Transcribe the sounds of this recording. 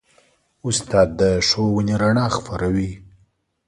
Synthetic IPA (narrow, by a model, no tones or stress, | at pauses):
ʊst̪ɑd̪̚ːəʂowəneɾaɳɑxpaɾawi